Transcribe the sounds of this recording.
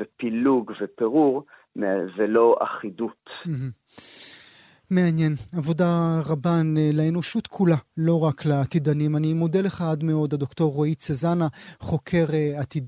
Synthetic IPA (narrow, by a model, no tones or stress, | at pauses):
epiluɡvepeʁuʁ | meveloʔa̰χid̪ut̪m̩ɦ̩ | me̞anje̞navo̞daʁabaneleeno̞ʃut̪kʰulalo̞ʁaklaːt̪id̪animanimod̪eleχaad̪me̞o̞d̪ad̪o̞kto̞ʁːoit͡sezanaχo̞kʰe̞ʁeat̪i